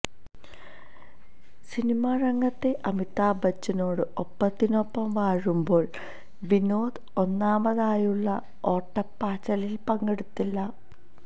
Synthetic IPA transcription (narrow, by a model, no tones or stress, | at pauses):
sinimarɐŋːɐt̪ːe̞ʔɐmit̪ːaːbɐt͡ɕːɐno̞ːɽɨopːɐt̪ːinopːɐmʋaːɻumbo̞ːɭ | ʋinoːd̪ɨonːaːmbɐðaːjuɭːɐ | o̞ːʈːɐpːaːt͡ɕːɐlilpɐŋɡeɽut̪ːilːɐ